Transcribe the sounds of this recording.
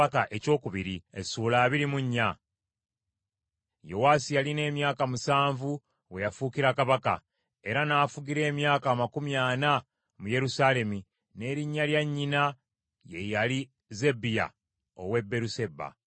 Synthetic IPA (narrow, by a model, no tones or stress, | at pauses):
akaʔe̞co̞ːkuβiɾiesulaːβiɾimuɲːa | jo̞waːsijaline̞ːmjaːkamusaːɱvu | we̞jafuːkiɾakaβaka̰ | e̞ɾanaːfuɡiɾe̞ːmjaːkaːmakumjaːna | muje̞ɾusaːle̞mi | ne̞ːɾiɲːaljaɲːina | je̞jali | ze̞bija̰ | o̞̰we̞bːe̞ɾuse̞ba̰